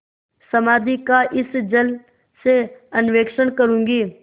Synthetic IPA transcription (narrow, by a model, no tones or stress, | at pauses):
sɐmaːd̪ʱikaʔɪsd͡ʒəl | seɐnʋeːkʃəɳkəɾũːŋɡiː